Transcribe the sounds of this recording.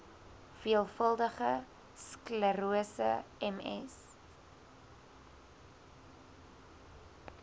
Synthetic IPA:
fiəlˠfəlˠdəχə | skləɾuəsə̰ɛmɛ̰s

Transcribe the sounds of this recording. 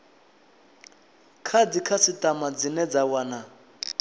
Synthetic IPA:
kʰadikʰasitʼamad͡zinɛd͡zawana

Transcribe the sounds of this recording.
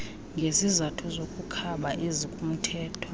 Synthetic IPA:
ŋɡʱezizatʰuzokʼukʰaɓaʔezikʼum̩tʰɛːtʰɔ̥

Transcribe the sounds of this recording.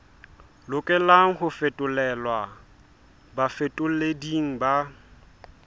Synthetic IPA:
lʊkʼɪlaŋ̩hʊfetʼʊlɛlwa | bafetʼʊl̩lediŋ̩ba

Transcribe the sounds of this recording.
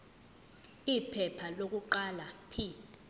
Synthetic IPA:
ipʰɛpʰalok̬uǃalapʰi

